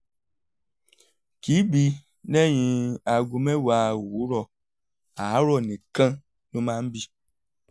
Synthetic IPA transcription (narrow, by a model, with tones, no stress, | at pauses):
ki˨˦bi˧ | nɛ˦˨j̃ĩ˧a˨ɡu˧mɛ̃˦wa˨˦˨wu˨˦ɾɔ˧˨ | a˨˦ɾɔ˦˨nĩ˨kã˦ | nõ˦mãː˦n̩˦bi˧